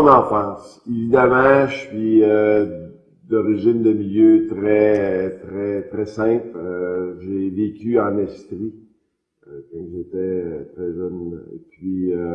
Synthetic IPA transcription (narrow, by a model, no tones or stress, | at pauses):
nɑ̃ːfãːsevid̪amãʃɥiø | d̪ɔʁiʒɪnd̪əmiljøt̪ʁɛt̪ʁɛt̪ʁɛsɛ̃pløʒevekʲyɑ̃nɛspʁi | k̪ɔ̃ʒet̪ɛt̪ʁɛʒœn̰pɥiø